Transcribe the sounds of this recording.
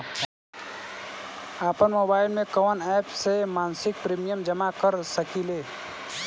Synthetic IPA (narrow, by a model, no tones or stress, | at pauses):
aːpənmobaːɪlmẽkɔʋnɛpsemaːnsɪk̚pɾimijəmd͡ʒəmakəɾsəkile